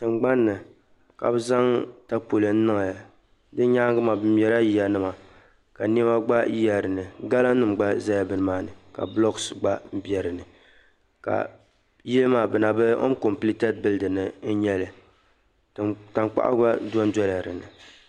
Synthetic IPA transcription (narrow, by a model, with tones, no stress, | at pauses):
tɨ˨ŋ͡mɡ͡ba˦nːɨ˨ | ka̰˨bɨ˦za˦ŋta˦po˨lɨ˨n̩˦nɨ˦ŋa˨ja˨ | dɨ˦ɲa˦ŋɡɨ˦ma˨bɨ˦m˦ɛ˨˦ɾa˦ji˦ja˨nɨ˦ma˨ | ka˨ni˦ma˦ɡ͡ba˦ji˦ja˨ɾɨ˨nɨ˨ɡa˦la˦nɨ˨m˨ɡ͡ba˦za˦ja˦bɨ˦nɨ˦maː˦nɨ˨ka̰˨blɔ˦ksɡ͡ba˦m˦bjɛ˨ɾɨ˨nɨ˨ | ka̰˨ | ji˦lɨ˦maː˨bɨ˨na˨bɨ˦o̰˦ŋ˦ko˨mpli˦tɛ˦t̚bɨ˦lɨ˦dɨ˨nɨ˨n̩˦ɲɛ˦lɨ˨ | ta˨ŋk͡pa̰˦ʔa̰˦ba˦dɔ˦n˦dɔ˦la˨ɾɨ̰˨nɨ̰˨